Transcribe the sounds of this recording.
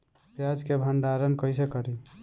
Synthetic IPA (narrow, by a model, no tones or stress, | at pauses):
pjad͡ʒkebʱəɳɖaɾənkəjsekəɾi